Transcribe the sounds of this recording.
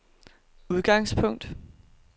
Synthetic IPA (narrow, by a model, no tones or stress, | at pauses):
uð̞ˠɡ̥ɑ̈ŋspʰɔ̽ŋ̰d̥